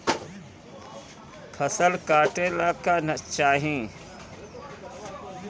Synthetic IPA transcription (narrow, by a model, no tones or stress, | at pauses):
kʰəsəlkaːʈẽːlaːkaːnət͡ʃaːɦĩː